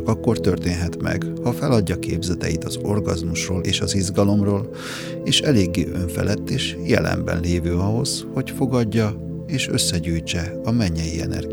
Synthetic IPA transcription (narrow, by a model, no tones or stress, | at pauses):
kɒkːo̞rt̪ørt̪eːnɦɛt̪mɛ̰ɡhɒfɛlɒɟːɒkḛːbzɛt̪ɛjit̪ɒzo̞rɡɒzmuʃroːlʔeːʃɒzizɡɒlo̞mroːl | eːʃɛleːɡːḛːʔøɱfɛ̰lɛt̪ːeːʃjɛ̰lɛ̰mbɛ̰nleːvøːɒɦo̞zho̞cfo̞ɡɒɟːɒ | eːʃø̞̰sːɛɟuːjt͡ʃɛ | ɒmɛɲːɛjiɛ̰nɛ̰rɡi